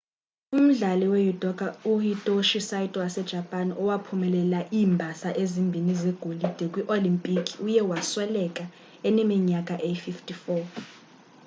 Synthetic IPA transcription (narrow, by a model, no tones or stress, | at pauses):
um̩ɮalɛwejudʼɔkʼauhitʼoʃisaitʼɔwasɛd̥ʒ̥ʱapʼanɔwapʰumɛlɛlaʔiːmbʱasaʔezimbʱinizɛɡ̥ʱolid̥ʱɛkʼwiʔolimpʼikʼʰiujɛwaswɛlɛkʼa | ɛnɛmiɲakʼaʔejififtʰʼifɔ